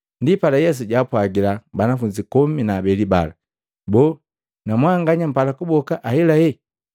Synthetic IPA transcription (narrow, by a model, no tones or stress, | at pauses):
ndipalajɛs̬uɟapwaɡilabanafuɲd͡ʒikɔminaːbɛliba̰la̰ | bɔː | namwaŋɡaɲam̩palakubɔkaʔahɛlahɛ